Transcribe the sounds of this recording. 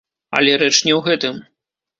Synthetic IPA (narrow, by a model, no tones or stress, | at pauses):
ɐ̰lʲɛɾɛt͡ʂnʲɛwɣɛt̪ɨm